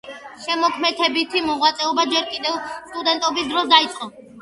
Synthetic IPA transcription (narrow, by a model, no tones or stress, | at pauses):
ʃɛmɔkʰmɛt̪ʰɛbit̪ʰimɔʁwat̪sʼɛɔbad͡ʒɛɾkʼid̪ɛvst̪ʼud̪ɛnt̪ʼɔbisd̪ɾɔsd̪ait̪sʼqʼɔ